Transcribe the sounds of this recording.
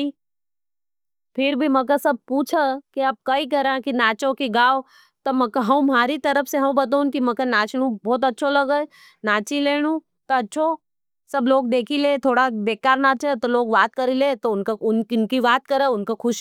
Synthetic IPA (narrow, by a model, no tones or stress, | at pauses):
i | pʰɪɾbʱimɐkasɐb̚puːt͡ʃʰəkiaːp̚kɐik̬ɐɾãkinaːt͡ʃõkiɡaːw | t̪omɐkɦɐũmaːɾit̪ɐɾəpʰseɦɐ̃bɐt̪̬aũnkimɐkanaːt͡ʃɽ̃ũbɔːt̪̬ɐtːʃʰolɐɡə | naːt͡ʃileːɽ̃ũ | t̪oɐtːʃʰo | sɐbloːɡ̚d̪eːkʰileːt̪ʰoːɽabeːkaːɾnaːt͡ʃət̪oloːɡʋaːt̪̚kɐɾileːt̪oʊnkaʊnkɪnkiʋaːt̪kɐɾəʊnkakʰʊʃ